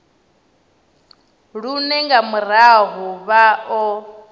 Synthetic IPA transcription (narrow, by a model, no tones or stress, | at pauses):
ɺunɛŋɡamuɾaɦɔβaɔ